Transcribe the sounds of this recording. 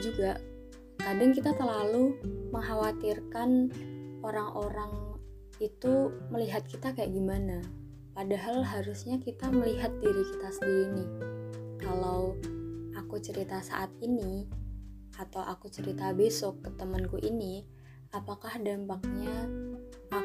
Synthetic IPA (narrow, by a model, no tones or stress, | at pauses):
d͡ʒuɡaʔ | kadɪŋkit̪at̪əlaluməŋɦawat̪irkanʔoɾaŋʔoɾaŋ | it̪uməliɦat̪̚kit̪akajaʔɡimana | padaɦalɦaɾusɲakit̪aməliɦat̪̚diɾikit̪asəndiɾinikalawʔakut͡ʃəɾit̪asa̰ʔat̪̚ini | at̪awʔakut͡ʃəɾit̪abesɔkːət̪əmənkuʔini | apakahdampak̚ɲa